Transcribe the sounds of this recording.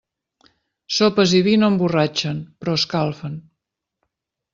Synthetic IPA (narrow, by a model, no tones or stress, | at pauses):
sopəziβinomburat͡ʃənpɾɔskalˠfən